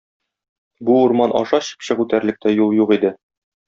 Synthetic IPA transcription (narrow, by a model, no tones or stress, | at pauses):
buuɾmɑnʔɒ̰ʃɑɕɤ̥pɕɤʁʉt̪æɾlɘ̆k̚t̪æjulˠjuʁid̪ɘ